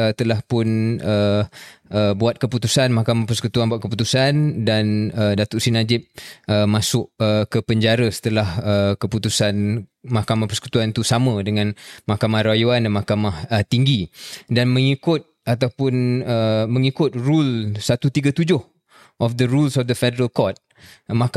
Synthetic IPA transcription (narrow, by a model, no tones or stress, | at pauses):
ət̪əlahpʊnə | əbuat̪̚kəput̪usanmahkamahpərsəkut̪uanbaʔ̚kəp̬ut̪usandanədat̪ʊʔsinad͡ʒɪp̚əmasʊʔəkəpəɲd͡ʒaɾəsə̥t̪əlahəkəput̪usanmahkamahpərsə̥ku̥t̪uant̪usamə̃dəŋãnmahkamahɾajuandanmahkamahət̪iŋɡidanmə̃ŋikʊt̪̚at̪awpʊnəməŋikʊt̪̚rulsat̪ut̪iɡat̪ud͡ʒʊh | ʔɔfd̪əɾulsɔfd̪əfɛdəɾəlkɔt̪̚ | ma